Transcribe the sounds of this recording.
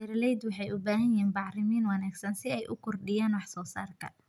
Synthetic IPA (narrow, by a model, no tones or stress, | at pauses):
ɛɾlɛjd̪wɑħɑjʊbaːɦɐjɦiːnbɑʕrɪmiːnwɑnaːɡsɐnsɪɛjʔʊkʰʊrɖɪjaːnwɑħsɔːsa̰ːrkʰɐ̰